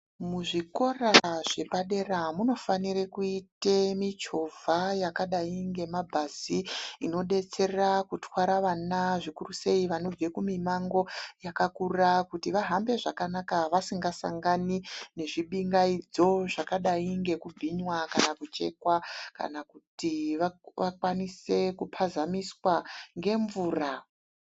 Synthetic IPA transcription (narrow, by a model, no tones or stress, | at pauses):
muʐiko̞raʐe̞paɗe̞ramuno̞fanirekuitemit͡ʃo̞vʱajakaɗaiŋɡe̞mabʱaziino̞ɗe̞t͡se̞rakutwaɾaʋanaʐikuruse̞iʋano̞b͡vekumimaŋɡo̞jakakurakutiʋaɦambe̞ʐakanakaʋasiŋɡasa̰ŋɡanine̞ʐiɓiŋɡaid͡zo̞ʐakaɗaiŋɡe̞kub͡vʱiɲwakanakut͡ʃe̞kwaka̰nakutiʋaʋakwanise̞kupʰazamiswaŋɡe̞ɱvuːra